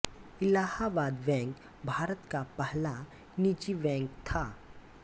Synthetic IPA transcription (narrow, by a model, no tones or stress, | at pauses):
ɪlahabad̪ʋɛ̃ŋk | bʱaːɾət̪kapəɦla | nit͡ʃiʋɛ̃ŋkt̪ʰa